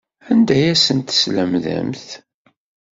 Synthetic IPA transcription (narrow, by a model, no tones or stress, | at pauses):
ænd̪æjæsənt̪ə̥sləmðæ̰mθ